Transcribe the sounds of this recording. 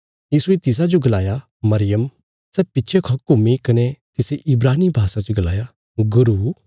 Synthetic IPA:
jiːsuet̪ɪs̬ad͡ʒoɡɐlaːja | mɐɾɪjəm | sɛːpɪtːʃʰekʰakʊmikɐnet̪ɪseʔɪbɾaːnibʱaːsad͡ʒoɡɐla̰ːja | ɡʊɾuː

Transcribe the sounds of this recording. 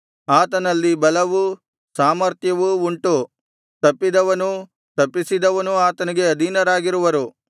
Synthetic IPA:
aːt̪ɐnɐlːibɐlɐʋu | saːmɐɾt̪jɐʋuuɳʈu | t̪ɐpːid̪ɐʋɐnu | t̪ɐpːisid̪ɐʋɐnuaːt̪ɐniɡe̞ɐd̪ʱinɐɾaːɡiɾuʋɐɾu

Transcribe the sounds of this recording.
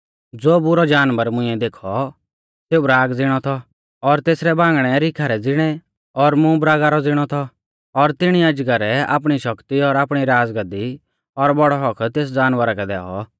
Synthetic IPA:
d͡zoːbʊɾɔd͡ʒaːnʋəɾmʊ̃ɪ̃ɛd̪eːkʰɔ | seːubɾaːɡd͡zɪɽ̃ɔt̪ʰɔ | ɔɾt̪eːsɾɛbãːŋɡɽ̃ɛɾɪkʰaɾɛd͡zɪɽ̃ɛ | ɔɾmũbɾaːɡaɾɔd͡zɪɽ̃ɔt̪ʰɔ | ɔɾt̪ɪɽ̃iad͡ʒɡaɾɛa̰ːp̬ɽ̃iʃɐkt̪iɔɾaːpɽ̃iɾaːd͡zɡəd̪i | ɔɾbɔɽɔɦɔkʰt̪eːs̬d͡ʒaːnʋəɾakɛd̪ɛ̰ːɔ̰

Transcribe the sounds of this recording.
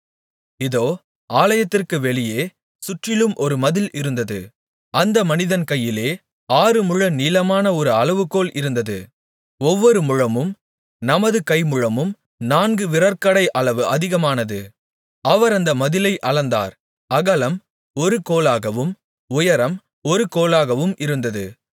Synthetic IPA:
ɪðoː | aːlɐjɐt̪ːɪrkɯʋɛɭɪjeː | sʊʈrɪlɯmʔɔɾɯmɐðɪlɪɾɯnd̪ɐðɯ | ɐnd̪ɐmɐnɪðɐnkɐjːɪleː | aːɾɯmʊɻɐniːlɐmaːnɐɔɾɯɐɭɐʋɯkːoːlɪɾɯnd̪ɐðɯ | ɔʋːɔɾɯmʊɻɐmɯm | nɐmɐðɯkɐɪmʊɻɐmɯm | naːnɡɯʋɪɾɐɾkɐɽɐɪʔɐɭɐʋɯʔɐðɪɣɐmaːnɐðɯ | ɐʋɐɾɐnd̪ɐmɐðɪlɐɪʔɐɭɐnd̪a̰ːɾ | ɐɣɐlɐm | ɔɾɯkoːlaːɣɐʋɯm | ʊjɐɾɐm | ɔɾɯkoːlaːɣɐʋɯmɪɾɯnd̪ɐðɯ

